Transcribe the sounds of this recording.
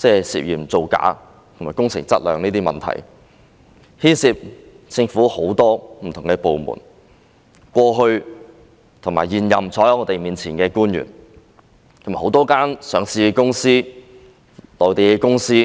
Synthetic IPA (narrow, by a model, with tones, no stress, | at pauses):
t͡sɛː˥sḭː˨p̚jiː˨˩mt͡so˨wka̰ː˨˥ | t̪ʰmaː˨˩kʊ˥ŋt͡sʰɪ̰˨˩ŋt͡sɐ˥t̚lœ̰ː˨˧ŋniː˥t̪iː˥mɐ̰˨˩nt̪ʰɐ̰˨˩j | hiː˥nsi˧p̚t͡sɪ˧ŋfuː˨˥ho˨˥wt̪ɔː˥m̩ʰ˨˩˨ŋkɛ˧po˨˧wmṵː˨˩n | kʷɔː˧ɦɵ˧ɥ | t̪ʰʊ˨˩ŋmaː˨˩jiː˨njɐ˨mt͡sʰɔː˨˥jɐ˧˥ŋɔː˨˧t̪e˨jmiː˨nt͡sʰiː˨˩nkɛː˧kuː˥njy̰˨˩n | t̪ʰma˨˩ho˨˥wt̪ɔː˥kaː˥nsœː˨˩ŋsiː˧kʊ˥ŋsiː˥ | lɔː˨˩t̪e˨jkɛ˧kʊ˥ŋsiː˥